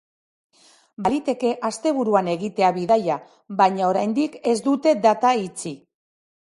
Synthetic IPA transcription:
balit̪e̞ke̞ʔast̪e̞β̞uɾuane̞ɣit̪e̞aβiðaja | βajɲao̞ɾajnd̪ike̞zd̪ut̪e̞d̪at̪ait͡si

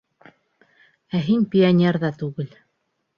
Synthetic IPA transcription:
æɦinpʲianʲerðɑt̪ʉɡɘl

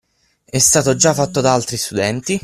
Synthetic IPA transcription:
ɛst̪aːt̪od͡ʒafːat̪ːod̪aalt̪ɾist̪ud̪ɛnt̪i

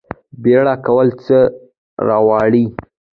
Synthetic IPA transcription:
beɽakawəlt͡sə | ɾɑwɑɽi

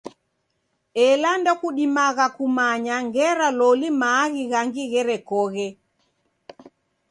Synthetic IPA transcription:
ɛlandɔkuɗimaɣakumaɲaŋɡɛɾalɔlimaːɣiɣaŋɡiɣɛɾɛkɔɣɛ

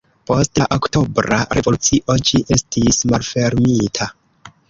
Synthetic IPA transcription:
po̞staʔokto̞bɾa̰ɾe̞vo̞lut͡siʔo̞d͡ʒiʔe̞stismalfe̞ɾmitʰa

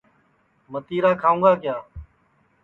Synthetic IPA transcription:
mət̪iːɾaːkʰaːũːɡaːkjaː

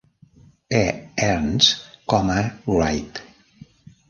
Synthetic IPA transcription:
eɛɾnskɔmərajt̪

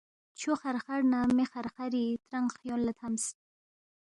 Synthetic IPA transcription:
t͡ʃʰoχaɾχaɽnamexaɾχaɾit̪ɾaŋɡχjonlat̪ʰams

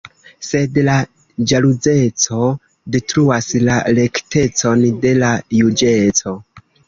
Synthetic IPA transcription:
se̞dla | d͡ʒalud͡ze̞t͡so̞ | ditɾuaslale̞kte̞t͡so̞nde̞lajud͡ʒe̞t͡so̞

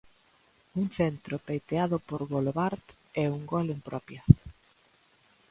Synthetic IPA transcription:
uŋt͡ʃɛnt̪ɾopejt̪eaðʊpoɾβoloβaɾt̪ | ɛuŋɡɔlempɾɔpjɐ

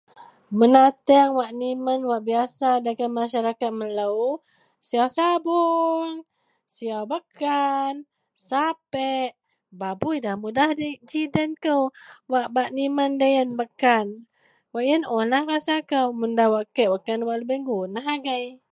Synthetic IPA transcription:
mənat̪ɛŋwaʔnimənwaʔbiasadaɡamaʃaɾakat̪̚mələw | siawsabuŋ | siawbəkʰan | sapɛʔ | babuidahmudahdəd͡ʒidənkəwwaʔbaʔnimandajənbəkan | waʔjənonahɾasakəwməndawaʔkəʔbəkanwaʔləbəŋɡunaɦaɡaj

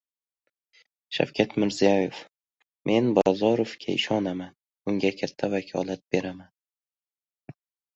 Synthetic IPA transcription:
ʃa̰wkʲʰat̪mɪɾzijɒjef | mʔe̞nbɒ̰zɒɾofkʲʰa̰ɪʃɒnaman | ʊŋɡʲakʲʰat̪ʰːavakʲʰɒ̰lˠat̪̚be̞ɾaman

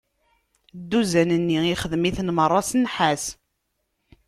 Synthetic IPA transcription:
d̪ːuzænənːiiχəðmiθnmərˤːɑsənħæs

